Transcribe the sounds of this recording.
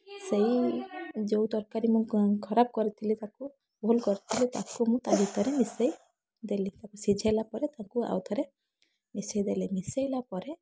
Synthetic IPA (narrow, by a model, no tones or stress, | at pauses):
sej | d͡ʒowd̪ɔɾkaɾimũkʰɔɾab̚kɔɾit̪ʰilit̪aku | bʱɔlkɔɾit̪ʰilit̪akumũt̪aɦit̪ʰɔɾɛmisej | d̪elit̪akusid͡ʒʱalapɔɾɛt̪akua̰wt̪ʰɔɾe | misejd̪elɛmisejlapɔɾɛ